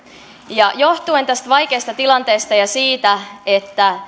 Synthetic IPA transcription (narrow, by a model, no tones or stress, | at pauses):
jɑjo̞ht̪uent̪æst̪ʋɑjke̞ːst̪ɑt̪ilɑnt̪e̞ːst̪ɑjɑsiːt̪æet̪ːæ